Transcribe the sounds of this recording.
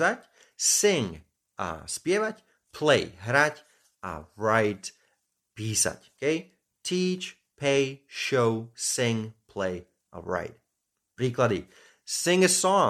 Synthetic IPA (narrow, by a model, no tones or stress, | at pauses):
atʲ | sɪ̃ŋ | a̰spjevat | pʰleɪɦɾatʲ | ə̰ɹaɪt | pisa̰tokʰeɪ | tʰit͡ʃ | pʰeɪʃoʊsɪ̃ŋpʰl̥eɪ | ə̰ɹa̰ɪt̚ | b̥ɾikʰlaɾḭ | sɪ̃ŋəsɔ̃